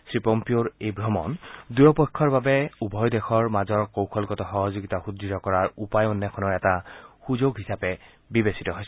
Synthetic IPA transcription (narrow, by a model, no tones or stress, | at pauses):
sɹipɔmpioɹebɹɔmɔ̰ndujɔpɔjkʰːɔɹbabɛubʱɔjdɛxɔɹmazɔɹkowkʰɔlkɔtɔxɔɦɔzoɡitaxuditɔkɔɹaɹupajɔnːɛkʰɔnɔɹɛtaxuzoɡɦisapɛ | bibesitɔɦojs